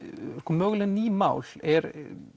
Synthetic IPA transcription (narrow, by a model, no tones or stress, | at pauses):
ɾkɔmœːɣlɛniːmaːwlɛɾ